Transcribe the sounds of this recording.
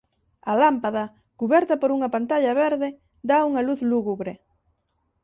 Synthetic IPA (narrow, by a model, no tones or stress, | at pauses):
ɐlampaðɐ | kuβɛɾt̪ɐpoɾuŋɐpant̪aʎɐβeɾðɪ | d̪auŋɐluθluɣuβɾe